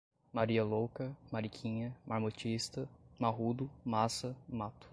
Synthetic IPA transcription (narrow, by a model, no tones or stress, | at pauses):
maɾiɐlowkɐmaɾikʰĩɲɐmʔaɾmot͡ʃist̪ɐmaɦud̪ʊmasɐmat̪ʊ̥